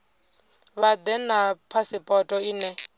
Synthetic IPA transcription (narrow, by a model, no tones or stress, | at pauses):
βad̪ɛnapʰasɪpʼɔtʼɔinɛ